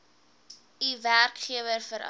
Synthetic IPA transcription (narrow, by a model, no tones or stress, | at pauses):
iværkχiəvərfəɾʔ